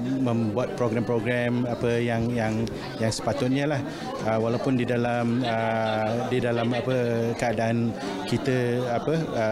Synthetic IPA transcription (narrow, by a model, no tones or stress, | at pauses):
mə̃mbuat̪̚pɾoɡɾɛmpɾoɡɾɛmapəjaŋjaŋ | jaŋsə̥pat̪ʊt̪̚ɲəlah | əwalawpʊndidalamədidalamapəkəadaʔan | kit̪əapəə